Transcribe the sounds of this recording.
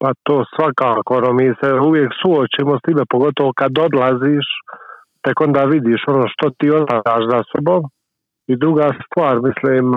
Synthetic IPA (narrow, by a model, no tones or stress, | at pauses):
pat̪oːsʋakaːkoonomiːseuʋjeːksuot͡ʃiːmost̪ibepoɡot̪oʋokad̪od̪laziːʃ | t̪eko̞nd̪aːʋid̪iʃo̞noːʃt̪ot̪iːot̪aaːʃzasobom | id̪ɾuɡaːst̪ʋaːɾmisliːm